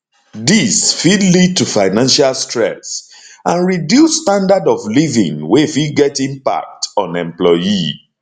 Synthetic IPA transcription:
disfidlid̚tufaɪnãnʃalstɹɛ̰s | ãnɹidjusstãndadɔflivḭ̃ŋwefiɡɛtĩmpa̰k̚tɔ̃nɛ̃mplɔji

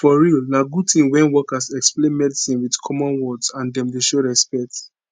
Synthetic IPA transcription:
fɔɹilnaɡutʰĩnwɛ̃nwɔkasɛksplẽnmɛdisĩnwidkʰɔmɔ̃nwɔdsãndɛ̃mdeʃoɹɛspɛk̚t

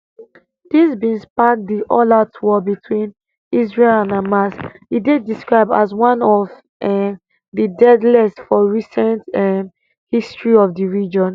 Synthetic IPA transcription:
d̥isbĩnspak̚diʔɔlatwɔbitʰwĩn | isɹelãnamasidediskɹaɪb̚da̰zwãnɔv | didɛdlɛsfɔɹisɛ̃ntɛ | histɹiɔvdiɹid͡ʒɔ̃n

